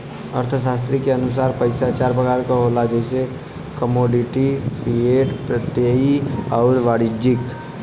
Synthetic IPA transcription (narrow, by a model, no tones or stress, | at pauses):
əɾt̪ʰəʃaːst̪ɾikeənʊs̬aːɾpəɪsat͡ʃaːɾbəɡaɾkaɦolad͡ʒɛɪse | kəmoːɖɪʈipʰɾieːʈpɾət̪jeiɔːɾʋaːɽɪd͡ʒɪk